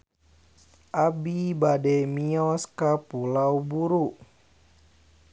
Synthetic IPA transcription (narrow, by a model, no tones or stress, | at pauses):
ʔabibadɛmiɔskapulawbuɾu